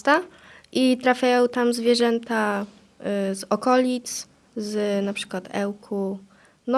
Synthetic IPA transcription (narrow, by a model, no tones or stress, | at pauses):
t̪a | ʔit̪ɾafʲjajɔ̃w̃t̪amzvʲjɛʐɛnt̪a | zɔkɔlʲit̪s | znapʂɘ̥kwat̪ʰɛ̰wkʰu | nɔ